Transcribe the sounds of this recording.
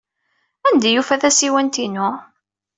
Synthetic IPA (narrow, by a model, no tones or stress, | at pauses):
ænd̪æjufæθæsiwænt̪inʊ